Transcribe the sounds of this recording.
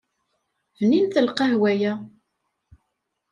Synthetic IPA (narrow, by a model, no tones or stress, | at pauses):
vninθəlqɑhwæjæ